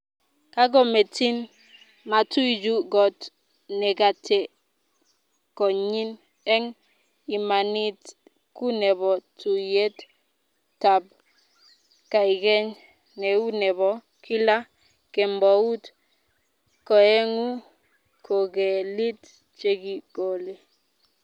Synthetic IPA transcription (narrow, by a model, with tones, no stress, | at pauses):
ka˦ɡɔ˦me˨ti˦n | ma˨tu˦i˨d͡ʒu˦ɡɔ˨t | nɛ˨ɡa˨te˨ | kɔ˨ɲi˦n | ɛ˦ŋ | i˨ma˨ni˦t | ku˦nɛ˨βɔ˨tu˨je˦t | tːa˨b̚ | ka˨i˨ɡɛ˦ɲ | nɛ˨u˦nɛ˨bɔ˨ | ki˦la˦ | kɛ˨mbɔ˨u˦t | kɔ˨ɛ˦ŋu˦ | kʰo˨ɡɛ˨li˦t | t͡ʃe˦ɡi˦ɡ̥o˨le˨